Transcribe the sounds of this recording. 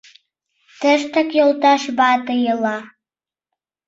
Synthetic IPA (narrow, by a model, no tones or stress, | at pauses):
t̪əʃt̪əkjolˠt̪ɑʃbɑt̪əjəlˠɑ